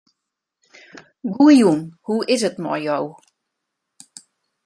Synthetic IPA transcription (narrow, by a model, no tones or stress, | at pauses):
ɡuəjunhuɪsətmɔ̰rjow